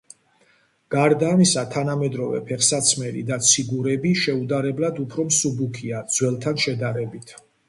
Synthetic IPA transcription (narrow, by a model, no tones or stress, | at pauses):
ɡ̥aɾd̪aːmisat̪ʰanamɛd̪ɾɔvɛ̰pʰɛχsat̪sʰmɛɾḭd̪at̪sʰiɡuɾɛbiʃɛud̪aɾɛblad̪upʰɾɔmsubukʰiad̪zwɛlˠt̪ʰanʃɛd̪aɾɛbit̪ʰ